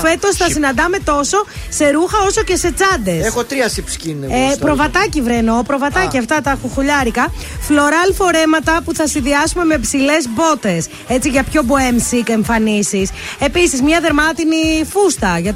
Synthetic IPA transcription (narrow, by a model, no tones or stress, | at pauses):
fe̞t̪o̞sθɐsinɐnd̪ɐme̞t̪o̞so̞se̞ɾuxɐo̞so̞ce̞se̞t͡sɐd̪e̞sexot̪ɾiɐsipu̥scinpɾo̞vɐt̪ɐcivɾeno̞pɾo̞vɐt̪ɐciɐft̪ɐt̪ɐxuxuʎɐɾikɐ | flo̞ɾɐlfo̞ɾe̞mɐt̪ɐpuθɐsinðiɐsume̞mepsile̞zbo̞t̪e̞s | e̞t͡siʝɐpço̞boemsike̞ɱfɐnisise̞pisizmɲɐðe̞ɾmɐt̪inifust̪ɐʝɐ